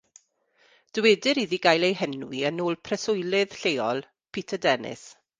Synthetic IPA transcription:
d̥wɛːdɪɾiðiɡajlˠejɦɛnwiənoːlˠpʰrɛsʊjlɪð̥ɬejɔlˠ | pʰiːtʰədɛnɪ̰s

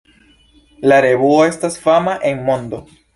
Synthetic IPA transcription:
laɾe̞βuo̞e̞stasfamaʔe̞nmo̞ndo̞

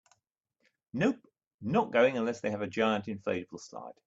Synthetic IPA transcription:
nəʊp | nəʔ̚ɡ̥əʊɪ̃ŋə̃nlɛsðeɪəvəd͡ʒaɪə̃ntɪ̃nfɛɪəbəlˠsla̰ɪd̥

